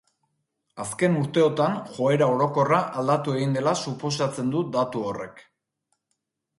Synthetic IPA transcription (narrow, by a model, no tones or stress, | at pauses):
aske̞nuɾt̪e̞o̞t̪anxo̞e̞ɾao̞ɾo̞ko̞raʔald̪at̪ue̞ɣind̪e̞lasupo̞s̬at͡se̞nd̪ud̪at̪uo̞re̞k